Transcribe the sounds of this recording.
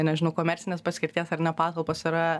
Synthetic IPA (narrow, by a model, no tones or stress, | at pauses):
nʲɛʒʲɪnɐʊkoːmʲɛɾʲt͡ssʲɪnʲeːspɐsʲkʲɪɾʲt̪ʲiɛsɐrnʲɛpɑːt̪ɐlˠpoːsɪɾɐ